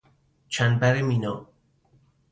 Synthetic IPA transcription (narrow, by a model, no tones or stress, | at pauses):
t͡ʃʰænbæɾemino